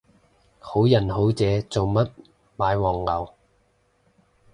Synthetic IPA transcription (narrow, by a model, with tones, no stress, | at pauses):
ho˨˥wjɐ˨˩nɦo˨˥wt͡sɛː˨˧t͡so˨wmɐ˥t̚ | maː˨˧jwɔː˨˩ŋːɐ˨˧w